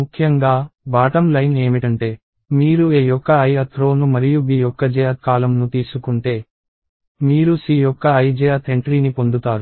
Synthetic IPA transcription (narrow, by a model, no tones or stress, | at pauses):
mukʰjɐŋɡaːbaːʈɐmlɐjne̞ːmiʈɐɳʈe̞ː | miːɾueːjɔkːɐɐjɐt̪ʰɾo̞ːnumɐɾijubiːjɔkːɐd͡ʒɛjakaːlɐmnut̪iːsukuɳʈe̞ː | miːɾusiːjɔkːɐːjd͡ʒɛjat̪ʰeɳʈɾiːnipo̞nd̪ut̪aːɾu